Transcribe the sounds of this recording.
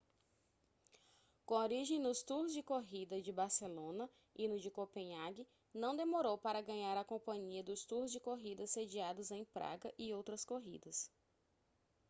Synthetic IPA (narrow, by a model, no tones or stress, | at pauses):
kõoɾiʒẽj̃nʊst̪uɾzd͡ʒɪkoɦid̪ɐd͡ʒɪbaɾselõnɐ | inʊd͡ʒɪkopẽɲaɡɪ | nɐ̃w̃d̪emoɾowpaɾɐɡɐ̃ɲaɾɐkõpɐ̃ɲiɐd̪ʊst̪uɾzd͡ʒɪkoɦid̪ɐsed͡ʒiad̪ʊzẽj̃pɾa̰ɡɐʔɪowt̪ɾɐskoɦid̪ɐs